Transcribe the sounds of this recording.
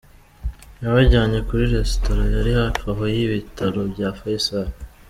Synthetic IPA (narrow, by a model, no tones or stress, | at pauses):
jaβaɟaːɲe̞kuɾiɾe̞stoɾajaɾihataɦojiβitʰaɾo̞bɟaːfajisaɾ